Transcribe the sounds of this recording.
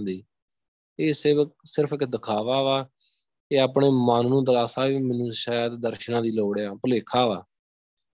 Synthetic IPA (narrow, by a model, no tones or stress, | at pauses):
d̪iː | eːsɪsɪɾpʰɪkd̪əkʰaːʋaːʋaː | eːaːpɳeːmaːnnũːd̪əlaːsaːʋiːmɛnũːʃaːjt̪d̪əɾʃnãːd̪iːloːɽeaːpəleːkʰaːʋaː